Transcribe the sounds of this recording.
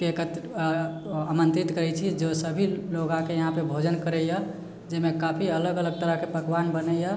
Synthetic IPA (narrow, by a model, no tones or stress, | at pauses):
kekət̪ | amənt̪ɾit̪kəɾɛt͡ʃʰid͡ʒosəbʱiloɡãkejəɦãpebʱod͡ʒənkəɾəjə | d͡ʒemekapʰiələɡələɡ̚t̪əɾəɦkepəkʋanbənəjə